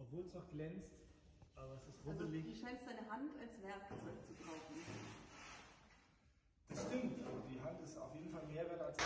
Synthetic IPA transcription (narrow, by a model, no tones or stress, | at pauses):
ʔɔpv̥oːlt͡saχɡ̥lɛnt͡st | ʔaːbɐɛsɪstʁozəlɪçʃaɪnsz̥aɪnəɦantʰalsv̥ɛɐkt͡sv̥att͡subʁaʊfn̩ | d̥ɪstɪŋtdiːɦantɪsta̰ʊfjeːdn̩falmeːɐvɛɐtals